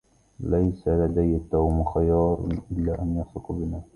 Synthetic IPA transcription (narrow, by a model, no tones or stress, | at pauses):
lajsalad̪ajːat̪ːawmxajɑːɾˤʔɪlːaːʔanjɑsˤɨqbɪnaː